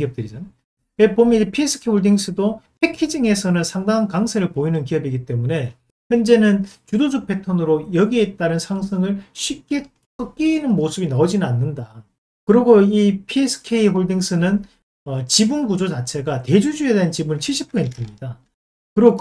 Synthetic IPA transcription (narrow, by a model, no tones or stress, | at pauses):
iʌp̚t͈ɯɾid͡ʑan | wepomjʌnid͡ʑepʰies͈ʰɯ̥kʰeihoɭdiŋs͈ʰɯdopʰekʰid͡ʑiŋe̞sʰʌnɯnsʰaŋdaŋankaŋsʰeɾɯɭpoinɯnkiʌbiɡit͈e̞mune̞ | çjʌnd͡ʑe̞nɯnt͡ɕudod͡ʑupʰe̞tʰonɯɾojʌɡie̞t͈aɾɯnsʰaŋsʰɯŋɯɭɕʰɥip̚k͈e̞ | k͈ʌk͈iːnɯnmosʰɯbinaod͡ʑinɯnanːɯnda | kɯɾiɡoipʰies͈ʰɯ̥kʰe̞iɦoɭdiŋsʰɯnɯn | ʌt͡ɕibunɡud͡ʑot͡ɕat͡ɕʰe̞ɡate̞d͡ʑud͡ʑuedent͡ɕibunint͡ɕʰiɭɕʰi̥pʰosʰentʰɯmɲida | kɯɾo